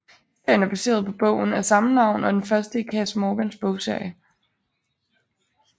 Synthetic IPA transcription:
hise̝ɐ̰jənæɐb̥æse̝̰ːɐð̞ˠpʰɒ̽b̥ɔ̽ʊ̰n̩æsɑ̈mənɑ̈ʊ̰nɒ̽d̥enfɶɐsd̥əikʰɛsmɔːɡ̥ensb̥ɔʊsɛ̰ɪ

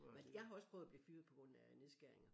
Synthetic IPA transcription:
menjɑ̈ɪhɑ̈ɒ̽spʰʁœːʊɐb̥liːfyːð̩ˠpʰɒ̽ɡ̥ʁɔ̽n̰æne̝ðˠsɡ̥æɐ̰e̝ŋɐ

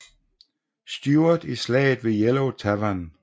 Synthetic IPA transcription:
sd̥juːɐðˠislɛ̰ːɪð̩ˠʋe̝jeloʊt͡sʰæʋæn

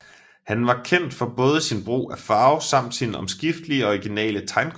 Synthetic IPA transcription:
hænʋɑ̈kʰen̰d̥fɒ̽b̥ɔ̽ːð̞ˠəsinb̥ʁṵːæfɑ̈ːʊsɑ̈m̰d̥sinəɒ̽msɡ̥ifd̥əliəɒ̽iɡ̥inɛ̰ːlət͡sʰɑ̈ɪnkʰ

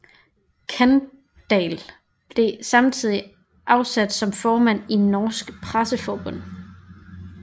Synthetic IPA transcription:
kʰæn | d̥ɛl | b̥le̝sɑ̈mt͡sʰið̞̰ˠi | ʔɑ̈ʊsæd̥sɒ̽mfɒːmæn̰inɒːsɡ̥pʰʁasəfɒːb̥ɔ̽n̰

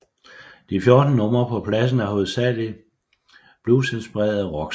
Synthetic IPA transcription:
d̥ifjo̝ɐd̥n̩nɔ̽m̰ɐpʰɒ̽pʰlæs̬n̩æɦo̝ð̩ˠsæli | b̥lusensb̥iʁɛ̰ːɐð̩ˠʁɒɡ̥

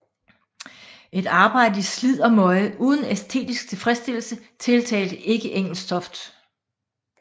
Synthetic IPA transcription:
ʔe̝d̥ɑ̈ːb̥ɑ̈ɪ̰d̥əislið̞̰ˠɒ̽mɒ̽ɪʔuːð̞ˠn̩esd̥ʰe̝̰ːd̥isɡ̥t͡sʰe̝lfʁɛsd̥e̝l̰̩sət͡sʰe̝lt͡sʰɛ̰ːld̥əʔe̝ɡ̥əʔeŋ̰l̩sdʰɒ̽fd̥

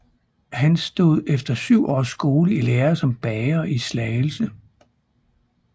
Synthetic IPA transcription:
hænsd̥o̝ð̞̰ˠefd̥ɐsyʊ̰ʔɒ̰ːsːɡ̥o̝ːləileːɐsɒ̽mb̥ɛːɐʔislɛːl̩sə

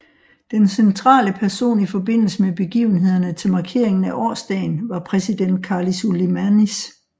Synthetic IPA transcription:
d̥ensent͡sʰʁɑ̰̈ːləpʰæɐso̝̰ːnifɒ̽be̝n̰l̩səmeb̥e̝ɡ̥ḭːʊn̩ɦe̝ð̰ˠɐnət͡sʰe̝lmɑ̈kʰe̝ɐ̰e̝ŋn̩æʔɒ̰ːsd̥ɛ̰ːɪnʋɑ̈pʰʁɛsid̥en̰d̥̚kʰɑ̈ːlisulimænis

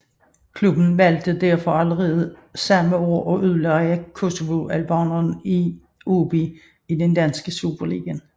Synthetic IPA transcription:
kʰlub̥n̩ʋæl̰d̥əd̥æɐ̰fɒ̽æləʁɛːð̞̩ˠsɑ̈məoɐʔɒ̽ʔyð̰ˠlɑækʰo̝so̝ʋo̝ʔælb̥ɑnɐni | ob̥i | idend̥ænsɡ̥əsub̥ɐlḭːɡ̥æn

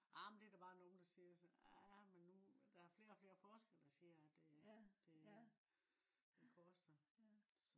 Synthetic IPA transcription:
ʔɑmend̥e̝æɐd̥æb̥ɑ̈ːnoːn̩d̥ɑ̈siːɐsɒnæmenːud̥ɑ̈æɐfle̝ːɐɒfle̝ːɐfɒːsɡ̥el̰d̥ɑ̈siːɐæd̥e̝d̥e̝ | d̥e̝kʰɔsd̥ɐsɒ

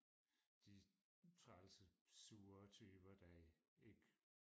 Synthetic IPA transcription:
d̥i | t͡sʰʁalsəsuːɐt͡sʰøːb̥ɐd̥æe̝ɡ̥

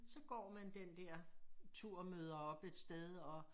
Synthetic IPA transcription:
sɒ̽ɡ̥ɒ̰ːmænd̥end̥ɛɐ̰t͡sʰuɐ̰møːð̞ˠɐɒ̽b̥e̝d̥sd̥eðˠɒ̽

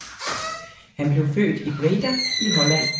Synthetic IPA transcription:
hænb̥le̝ʊfø̰ːd̥ipʰoleɡ̥æiɦɒ̽læn̰

